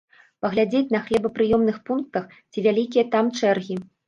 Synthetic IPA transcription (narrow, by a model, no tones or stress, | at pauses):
pɐɣlʲad͡zʲet͡sʲnɐxlʲɛbɐpɾɨjɔmnɨxpunk̚t̪ɐx | t͡sʲivʲalʲikʲijɐt̪amt͡ʂɛrɣʲi